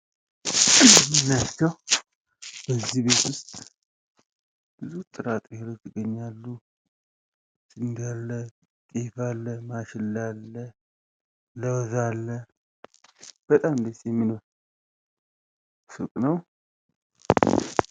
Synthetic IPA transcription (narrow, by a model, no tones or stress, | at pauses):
ɨnːat͡ʃːaw | bəzːihbe̞t̪wʊst̪ʼ | b̥ɨzut̪ʼɨɾat̪ʼheɾot͡ʃːɨɡəɲːalːu | sʼɨnd̪alːə | t̪ʼefalːəmaʃɪlːalːə | ləwzalːə | b̥ət̪ʼamnd̪əsjɛmːino̞ɾ | sɨkʼnəw